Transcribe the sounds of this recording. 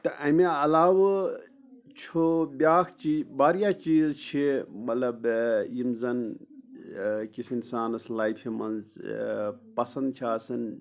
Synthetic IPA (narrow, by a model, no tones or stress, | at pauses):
t̪ɐʔɐmeɐlaːw | t͡ʃʰobʲaːkʰt͡ʃibaːɾjaːt͡ʃiːzt͡ʃʰimɐt̪lɐbimzɐn | kisʰinsaːnɐslaːjfʰimɐnz | pɐsɐnd̪̚t͡ʃʰaːsɐn